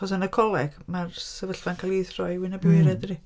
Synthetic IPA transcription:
ɔsənəkʰɔlˠɛɡ̥marsəvəɬvankʰalˠiθrɔɨwɪnabwɨɾɛdri

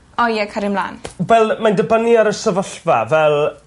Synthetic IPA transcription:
ɔjɛkʰaɾɪmla̰ːnwɛlˠmandəbəniaɾəsəvɔɬva̰vɛlˠ

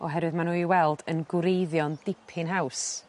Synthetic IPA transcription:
ɔɦɛɾwɨðmanuːiwɛlˠdənɡʊɾejðjɔndɪpʰɪnɦaws

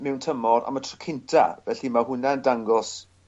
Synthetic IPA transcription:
mɛwntʰəmɔɾa̰matʰrɔ̥kʰɪntʰa̰vɛɬimahʊnaəndaŋɡɔs

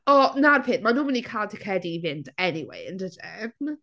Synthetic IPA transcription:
ɔnarpʰɪːnʔmanũːmɪnikʰaːlˠtʰəkʰɛdiːvɪntʰɛniwḛəndədɛvn

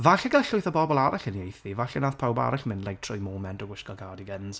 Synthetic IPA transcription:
vaɬəɡaɬʊɨθəbɔbɔlˠaɾaɬəniejθivaɬɛnaːθpʰawba̰ɾaɬmɪnlejtʰrɔjmɔːmɛndɔɡwɪʃkɔɡʰaːdiɡənz̥

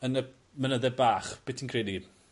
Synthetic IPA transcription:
ənə | mənəðɛbaːχb̥ɪtʰinkʰreːdi

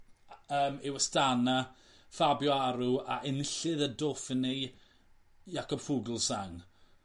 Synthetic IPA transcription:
əːmɪwəstana | fabjɔaɾuaʔɪnɪɬɨðədofɪnej | jakɔb̥fuɡlˠsaŋ

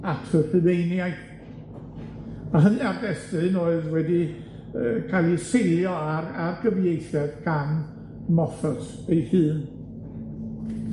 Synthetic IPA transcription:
atʰrəθɨnejnjaj | əɦənɨardɛstɨnoːɨðwɛdi | əkʰalˠisejlˠjɔararɡ̥əvjejθɛðɡʰan | mɔfɔtʰ | ejhɨːn

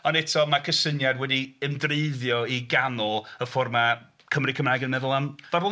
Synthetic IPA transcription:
ɔnɛtʰɔmakʰəsənjadwɛdiɛmdreɨðjɔiɡanɔlˠəfɔrma | kʰəmrikʰəmrajɡənmɛðʊlˠamv̥abɔ

